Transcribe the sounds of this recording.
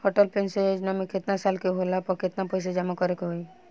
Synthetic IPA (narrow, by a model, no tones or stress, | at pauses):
hɔʈɔlpenseod͡ʒnamikʰet̪nasalkeɦolapɔkʰet̪napɔjs̬ed͡ʒamakɔɾekɦoj